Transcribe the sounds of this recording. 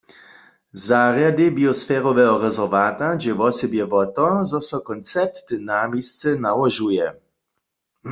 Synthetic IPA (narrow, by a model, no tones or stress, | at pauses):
zaʁjadɪbiɔsfɛːʁɔʋɛɦɔʁɛzɛʁʋaːt̪ad͡ʒɛʋɔsɛbjɛvɔt̪ɔzɔsɔkɔnt͡sɛp̚t̪ːnamist͡sɛnawɔʒujɛ